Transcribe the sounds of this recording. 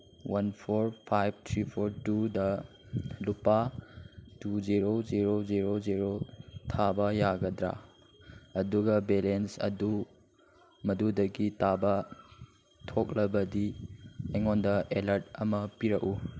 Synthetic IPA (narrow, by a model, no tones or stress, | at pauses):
wɐnpʰoɾpʰajb̚t̪ʰɾipʰoɾtudɐ | lupa | tuziɾoziɾoziɾoziɾotʰabɐjaɡɐdɾa̰ | ɐduɡɐbelensɐ̰du | mɐdudɐɡitabɐ | tʰok̚lɐbɐdiɐjŋondɐelɐɾt̚ɐmɐpiɾɐʔu